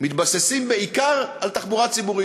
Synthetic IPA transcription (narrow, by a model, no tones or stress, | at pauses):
mit̪basesimbeikaʁalt̪aχbuʁatt͡sibuʁi